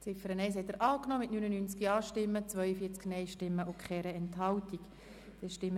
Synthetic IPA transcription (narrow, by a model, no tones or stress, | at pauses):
t͡sɪfəɾənɛɪs̬hɛt̪əɾʔɑːknɔːmɪtnynənynt͡skiɑːʃtɪmːət͡svœʏəfiːt͡sknɛɪʃtɪmːəʔʊkχɛːɾəɛnthɑwtik | d̥ɛʃtɪmə